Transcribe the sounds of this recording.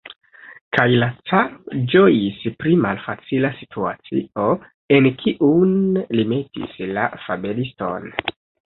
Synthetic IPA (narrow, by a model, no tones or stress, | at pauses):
kʰajlat͡saɾod͡ʒo̞jispɾimalfat͡silasi̥tʰua̰t͡sḭo̞ | e̞nkʰiʔunlimetḭsla̰fabe̞listo̞̰n